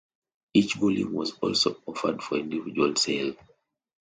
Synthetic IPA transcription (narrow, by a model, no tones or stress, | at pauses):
it͡ʃɡulḭ̃mwɔzɔ̰lsoɔfədfɔĩndivid͡ʒualsel